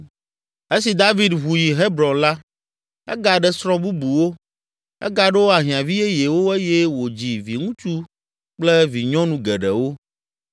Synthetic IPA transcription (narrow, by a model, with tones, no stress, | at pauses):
e˦si˨d̪a˦vi˨d̪ɦu˨ji˨ɦe˦bɾɔ̃˨nla˦ | ɛ̰˦ɡa˨ɖɛ˦sɾɔ̃˦bu˦bu˨wo˦ | ɛ̰˦ɡa˨ɖe˦wo˦a˨ɦĩ˨ã˨vi˦je˦je˨wo˦e˦jɛ˦wo˨d͡ʑi˨vi˨ŋũ˦t͡ʃu˦ | k͡plɛ˦vi˨ɲɔ̃˦nũ˨ɡɛ˨ɖɛ˨wo˦